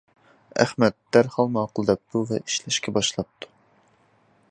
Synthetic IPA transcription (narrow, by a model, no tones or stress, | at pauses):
æ̰χmɛt̪ːæɾχɑlˠmɑqʰʊlˠɨd̪ɛp̚t̪uvɛʔi̥ʃlɛʃkʲʰɛbɑʃlˠɑp̚t̪ʰu̥